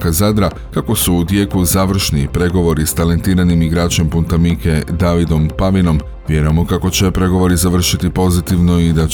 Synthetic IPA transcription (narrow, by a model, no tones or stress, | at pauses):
kazad̪ɾa | kako̞suːd̪je̞ːkuzaːʋr̩ʃnipɾe̞ɡo̞ʋo̞ɾist̪ale̞nt̪iːɾanimiɡɾaːt͡ɕe̞mpunt̪amike̞d̪aːʋid̪o̞mpaʋino̞m | ʋje̞ɾujemo̞kako̞t͡ɕe̞pɾe̞ɡo̞ʋo̞ɾizaʋr̩ʃit̪ipo̞zit̪iʋno̞id̪a